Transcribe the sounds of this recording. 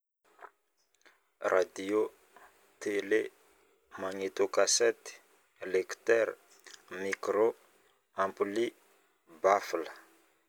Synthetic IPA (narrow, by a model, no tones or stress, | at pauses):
rʔad̪io | t̪ele | maŋet̪okaset̪i̥ | lekt̪ɛɾ | mikɾo | ampuli | bafilə